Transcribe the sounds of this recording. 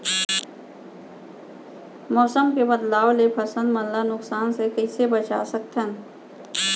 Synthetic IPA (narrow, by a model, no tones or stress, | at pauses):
mɔːsəmkebəd̪laːwlepʰɐsə̃nd̪mənlanʊksaːnsekəɪsebət͡ʃa̰ːsək̚t̪ɛ̃ː